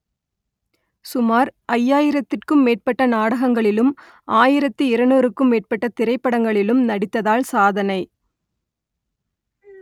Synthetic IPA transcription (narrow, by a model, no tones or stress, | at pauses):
sʊmaːɾʔɐjːaːjɪɾɐt̪ːɪrkɯmːeːʈ̚pɐʈːɐnaːɽɐɣɐŋɡɐɭɪlɯm | ʔaːjɪɾɐt̪ːɯɪɾɐnuːɾɯkːɯmːeːʈ̚pɐʈːɐt̪ɪɾɐɪpːɐɽɐŋɡɐɭɪlɯmnɐɽɪt̪ːɐðaːlsaːðɐnɐɪ